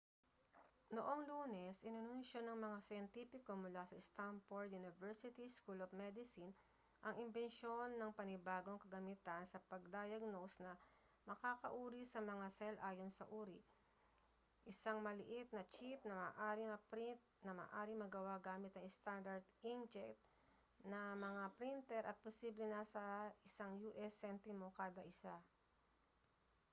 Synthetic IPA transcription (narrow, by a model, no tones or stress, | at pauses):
noʔo̞ŋluːnɛsʔɪnɪnunʃonɐŋmɐŋasɐjɐnt̪ipɪko̞mʊlasɐst̪amfoɹd̪̚junɪvɛɹsɪt̪iskulofmɛd̪ɪsɪn | ʔɐŋʔɪmbɛnʃo̞nːɐŋpɐnɪbaːɡo̞ŋkɐɡɐmit̪ɐnsɐpɐɡ̚d̪aːjɐɡ̚nosnɐ | mɐkaːkɐʔuːɾisɐmɐŋasɛlʔaːjo̞nsɐʔuːɾi | ʔɪsaŋmɐlɪʔɪt̪̚nɐt͡ʃip̚nɐmaːʔaːɾɪmɐpɾit̪̚nɐma̰ːʔaːɾɪŋmɐɡɐwaɡaːmɪt̪ɐŋɪst̪and̪ɐɾd̪ind͡ʒɛkt̪̚ | nɐmɐŋapɾint̪ɛɾʔɐt̪̚posiːblɛnɐsɐɪsaŋjuːʔɛsːɛnt̪ɪmo̞kaːd̪ɐʔɪsa